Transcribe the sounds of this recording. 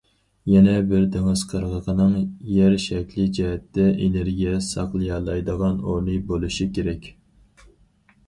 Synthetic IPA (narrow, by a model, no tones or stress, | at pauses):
jɛnɛbɪɾd̪eŋɨz̥qʰəɾʁəqʰənɨŋjɛɾʃɛkʲlɪd͡ʒɛɦɛt̪ːɛʔeneɾɡʲijɛsɑqlˠɨjɑːlˠɑjd̪əʁɑnoɾnɨbolˠuʃikʲeɾɛkʲ